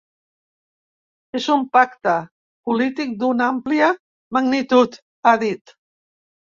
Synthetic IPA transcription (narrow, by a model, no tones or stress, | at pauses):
ezumpakt̪ə | pulit̪ik̚d̪unampliə | maɡnit̪ut̪ | aðit̪